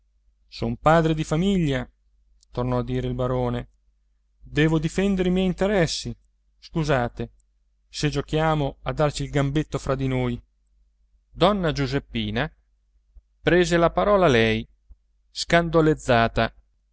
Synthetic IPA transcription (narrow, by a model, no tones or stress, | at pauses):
sompaːd̪ɾed̪ifamiʎːa | t̪ornɔad̪ːiːɾeilbaɾoːne | d̪ɛːvod̪ifɛnd̪eɾimjɛjint̪eɾɛsːi | skuzaːt̪e | sed͡ʒokjaːmoad̪ːart͡ʃilɡambet̪ːofɾad̪inoːj | d̪ɔnːad͡ʒuzepːiːna | pɾeːzelapaɾɔːlalɛj | skand̪oled̪zːaːt̪a